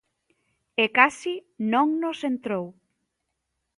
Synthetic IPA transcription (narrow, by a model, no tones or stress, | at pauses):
ekasinõŋnosent̪ɾow